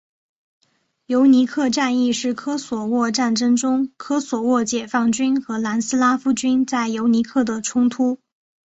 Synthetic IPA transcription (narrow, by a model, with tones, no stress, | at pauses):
jo˧˥ʊni˧˥kʰɤ˥˧ʈ͡ʂa˥˧ni˥˧ʂɻ̩˥˩kʰɤ˥swɔ˨˩wɔ˥˧ʈ͡ʂa˥˩nʈ͡ʂɤ˥ŋʈ͡ʂʊ˥ŋkʰɤ˥swɔ˨˩wɔ˥˩t͡ɕjɛ˨˩fɑ˥˩ŋt͡ɕy˥nxɤ˧˥la˧˥nsɹ̩˥la˥fu˥t͡ɕy˥nt͡sa˥˩ɪjo˧˥ʊni˧˥kʰɤ˥˩d̪ə˩ʈ͡ʂʰʊ˥ŋt̪ʰu˥